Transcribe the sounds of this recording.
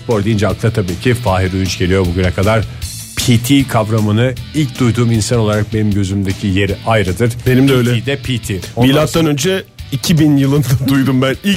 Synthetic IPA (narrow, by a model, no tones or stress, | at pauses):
poɾd̪ejind͡ʒak̚t̪ʰˠat̪ʰabiːcʰifaːɦiɾujynt͡ʃɟ̥e̞lijo̞buɟynɛkʰad̪aɾ̥ | pʰit̪ʰiːkʰavɾamɯnɯilʲc̚d̪ujd̪uːminsano̞lˠaɾak̚benimɟø̞zymd̪ecʰijeɾajɾɯd̪ɯɾ̥benimd̪øjlʲɛid̪ɛpʰiːt̪ʰiːomilʲˠat̪ːanø̞nd͡ʒɛicʰibinjɯlˠɯnd̪ad̪ujd̪umbænilʲ